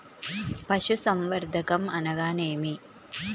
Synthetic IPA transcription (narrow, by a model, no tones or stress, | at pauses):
pɐʃusɐmʋɐɾd̪ʱɐkɐmɐnɐɡaːneːmi